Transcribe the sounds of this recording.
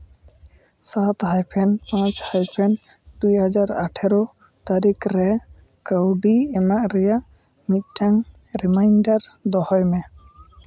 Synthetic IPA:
sat̪hajpʰɛnpãt͡ʃhajpʰɛn | d̪ujɦad͡ʒaɾa̰ʈʰɛɾɔ | t̪aɾikɾɛ | kəwɖiɛmaʔɾɛjaʔ | mit̪̚ˀʈʰaŋ | ɾimajnɖaɾd̪ɔhɔjmɛ

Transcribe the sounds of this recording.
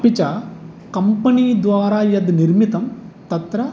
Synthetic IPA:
pit͡ʃɐ | kɐmpɐniːd̪ʋaːɾaːjɐd̪niɾmit̪ɐmt̪ɐt̪ɾɐ

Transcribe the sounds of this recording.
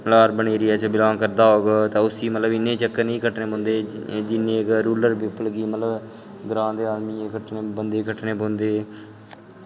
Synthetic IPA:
laːɾbəɳeːɾiːat͡ʃəbɪlãːŋkəɾd̪aːɦoːɡat̪ãːʊsiːmət̪ləbɪnːẽːt͡ʃəkːənĩːkəʈnẽːbõːnd̪eːd͡ʒɪnẽːkɾuːləɾbɪpəlɡiːmət̪ləb | ɡɾãːd̪eːaːlmiːekəʈneːbənd̪eːkəʈneːbõːnd̪eː

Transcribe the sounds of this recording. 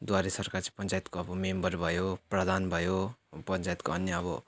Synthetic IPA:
d̪waɾesʌrkart͡sãpʌnt͡sajt̪koʌbʌmembʌrbʱʌjoprʌd̪ʱanbʱʌjopʌnt͡sajt̪koʌnjʌʌbʌ

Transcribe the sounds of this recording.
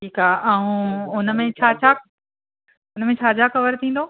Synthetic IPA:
ʈʰiːkaːʔaːũʊnəmẽt͡ɕʰaːt͡ɕʰa | ʊnmẽt͡ɕʰaːd͡ʑaxɐʋəɾt̪ʰĩːn̆d̪oː

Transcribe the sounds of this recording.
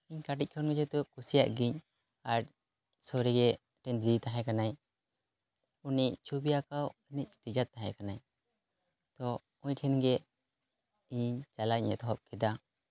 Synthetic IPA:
iɲkaʈic̚kʰɔnɡɛd͡ʒɛt̪ɔkusija̰ʔɡiɲ | aɾ̚ | sɔɾiɡɛ | ʈʰɛnd̪it̪aɦɛ̃kanaj | uniʔt͡ʃʰubijakawnic̚ʈid͡ʒat̪ːaɦɛ̰kanaj | t̪ɔ | uɲʈʰɛnɡɛ | iɲt͡ʃalaɲɛ̰t̪ɔɦɔp̚kid̪a

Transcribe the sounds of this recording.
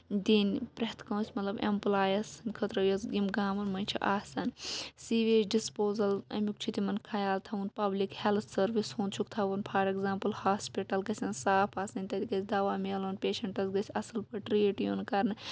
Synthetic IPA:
d̪inʲpɾɐt̪ʰkɐ̃ːsʲmɐt̪lɐbḛmplaːjɐsɐnʲkʰɐt̪ɾɐjozɡimɡaːmɐnmɐnʲt͡ʃʰiʔaːsɐnsiʋeːt͡ʃɖispoːzɐlɐ̰mʲuk̚t͡ʃʰut̪imɐnkʰɐjaːlt̪ʰɐunpɐblikhelt̪ʰsɐɾʋishoːnt͡ʃʰukt̪ʰɐʋunpʰaːɾeɡzãːmpɐlhaːspiʈɐlɡɐsʲɐnsaːpʰaːsɐnʲt̪ɐd̪ikɐsʰʲd̪ɐʋaːmeːloːnpeːʃɐɳʈɐsɡɐsʲɐsɨlpʰɨʈɾiːʈjunkɐɾnɨ

